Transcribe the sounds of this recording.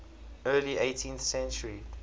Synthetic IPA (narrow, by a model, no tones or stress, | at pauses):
ɜːliʔeɪtʰĩnθsɛ̃nt͡ʃəɹi